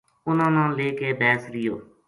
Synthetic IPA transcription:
ʊnãːnãːleːkeːbɛːsɾɪjo̰ː

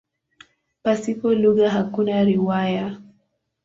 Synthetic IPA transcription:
pasipɔluɣaɦakunaɾiwaja

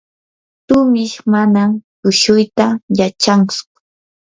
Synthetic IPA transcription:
t̪ʊmɪʃmanamtʊʃʊjt̪ajat͡ʃaŋt͡sʊ̥

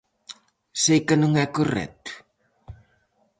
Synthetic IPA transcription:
sejkənəŋɛkorɛ̰t̪

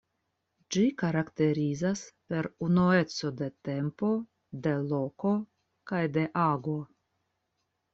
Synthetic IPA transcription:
d͡ʒikaɾakte̞ɾizaspe̞ɾunue̞t͡so̞de̞te̞mpo̞ | de̞lo̞ko̞ | kajde̞ʔaɡo̞

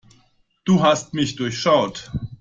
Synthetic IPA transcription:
d̥uːɦastmɪçd̥ʊɐçʃaʊt

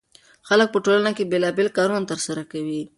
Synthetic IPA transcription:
xalək̚pəʈolanakebelɑbelkɑɾuant̪əɾsaɾakawi

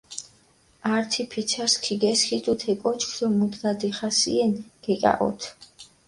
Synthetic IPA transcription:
aɾt̪ʰipʰit̪sʰaskʰiɡɛskʰit̪ʼut̪ʰɛkʼɔt͡ʃʰkʰd̪ɔmud̪ɡad̪iχasḭɛnɡ̥ɛkʼa̰ʔɔ̰t̪ʰ

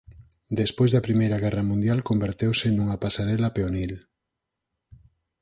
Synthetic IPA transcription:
d̪espojzðɐpɾimejɾɐɣɛrɐmũnd̪jalkombeɾt̪ewsenuŋɐpasaɾɛlɐpeonil

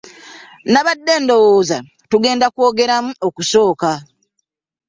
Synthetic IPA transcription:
naβadːe̞ːndo̞woːza | tuɡe̞ːndakuo̞ːɡe̞ɾamuokuso̞ːka

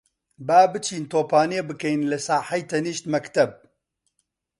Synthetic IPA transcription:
baːbɨt͡ʃʰiːnt̪oːpaːniebɨkɛjnlɨsaːħɐjt̪ʰɐniːʃt̪mɐkt̪ɐb̚

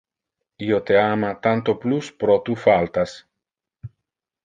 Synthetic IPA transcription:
iot̪eamat̪ant̪opluspɾɔt̪ufalt̪as

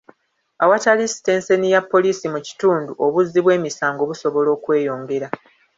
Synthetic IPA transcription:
awatalisi̥te̞ːnse̞nijapːo̞liːsimuci̥tuːnduʔo̞βuzːiβwe̞ːmisaːŋɡo̞βuso̞βo̞lo̞ːkwe̞ːjo̞ːŋɡe̞ɾa

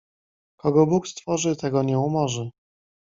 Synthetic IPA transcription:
kɔɡɔbukst̪fɔʐɘt̪ɛɡɔɲɛumɔʐɘ

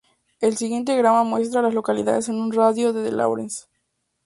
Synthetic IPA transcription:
elsiɣjent̪̬eɣɾamamwe̞st̪ɾalaslo̞kalḭða̰ðese̞nunraðjo̞ðeðḛlʔa̰wɾḛns

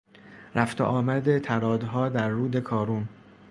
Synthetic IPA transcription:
ɾʔæft̪ʰḛʔɒːmæd̪et̪ʰæɾɒːd̪ɦɒːd̪æɾːuːd̪e̞kʰɒːɾun

